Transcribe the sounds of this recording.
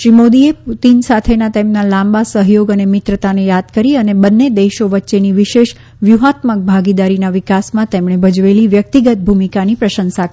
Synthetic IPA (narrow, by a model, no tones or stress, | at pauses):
ʃɾimod̪ieput̪insat̪ʰenat̪emnalãmbasəɦjoɡənemɪt̪ɾət̪anejad̪kəɾiənebənːed̪eʃoʋətːʃeniʋɪʃeʃ | ʋjuɦat̪mək̚bʱaɡid̪aɾinaʋɪkasmãt̪emɳebʱəd͡ʒʋeliʋjək̚t̪iɡət̪̚bʱumikanipɾəʃənsa